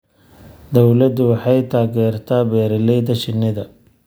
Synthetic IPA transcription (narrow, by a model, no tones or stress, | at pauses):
d̪ɔwlɐd̪ʊwɑħɑjt̪ʰaːɣɛːrt̪ʰaːbɛːɾɪlɛjðɐt͡ʃɪnːɪðɐ